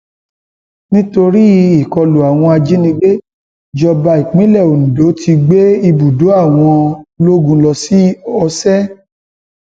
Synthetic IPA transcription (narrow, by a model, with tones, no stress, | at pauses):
nĩ˦to˧ɾi˦i˨kɔ˧lo˨a˨w̃ɔ̃˧a˧d͡ʒi˦nĩ˧ɡ͡be˦ | d͡ʒɔ˧ba˧i˨k͡pĩ˨˦lɛ˦˨o˨nũ˨do˨˦tʰi˧ɡ͡be˦i˧bu˨do˨˦a˦˨w̃ɔ̃˧lo˦ɡũ˦˧lɔ˧si˦ɔ˧sɛ˦